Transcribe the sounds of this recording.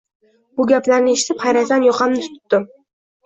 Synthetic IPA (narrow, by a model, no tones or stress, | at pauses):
bʊɡʲaplaɾnɪeʃɪ̥t̪ʰɪpχajɾasanjoqɑmnɪt̪ʰʊ̥t̪ːɪm